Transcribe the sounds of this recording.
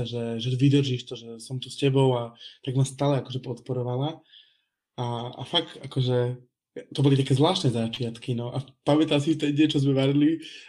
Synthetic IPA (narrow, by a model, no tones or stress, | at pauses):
ʒɛʒɛʋid̪r̩ʒiʃt̪ɔʒɛsɔmt̪uscɛbɔʊat̪aɡmast̪aːlɛakɔʒɛpɔt̪pɔɾɔʋala | aa̰faɡt̪akɔʒɛ | t̪ɔbɔlit̪akɛːzʋlaːʃnɛzat͡ʃɪat̪kinɔʔapamɛt̪as̬ift̪ɛɲɛt͡ʃɔzmɛʋaɾili